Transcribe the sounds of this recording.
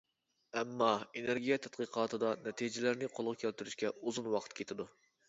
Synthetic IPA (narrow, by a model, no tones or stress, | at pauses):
ɛmːɑeneɾɡʲijɛt̪ʰɛt̪̚qɨqʰɑːt̪ʰɨd̪ɑnɛt̪ʰid͡ʒɪlæɾnɪqʰolˠʁʊkʲʰælt̪yɾyʃkʲɛuzunwɑqʰə̥t̪̚kʲʰet̪ʰɪd̪u